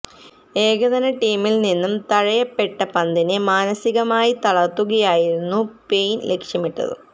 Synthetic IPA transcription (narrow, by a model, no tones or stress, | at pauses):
e̞ːɡɐðɐnɐʈiːmilninːumt̪ɐɻɐjɐpːe̞ʈːɐpɐnd̪ʱinemaːnɐsiɣɐmaːjit̪ɐɭɐt̪ːuɣɐjaːjiɾunːupe̞jnle̞kʂjɐmiʈːɐ̰ðɨ̰